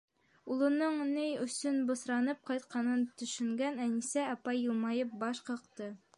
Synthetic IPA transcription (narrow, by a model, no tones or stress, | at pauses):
ulˠɤ̆nɤɴnɘjɵ̆sɵnbŏsɾɑnɤp̚qɑjt̪qɑnɤnt̪ɵ̆ʃɵ̆ŋɡænænisæɑpɑjːɤ̆lˠmɑjɤp̚bɑʃqɤ̆qt̪ɤ